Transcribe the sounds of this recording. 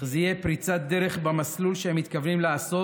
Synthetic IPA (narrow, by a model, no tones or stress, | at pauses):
zeijepɾit͡sat̪̚d̪eʁe̞χbamaslulʃeemːit̪kavnimleaso̞